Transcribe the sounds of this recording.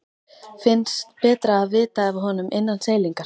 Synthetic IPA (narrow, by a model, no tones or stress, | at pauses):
fɪnst̪pɛːt̪ɾaːðvɪːt̪aɛvɪɦɔnʏmʔejnːanseːjliŋkḁ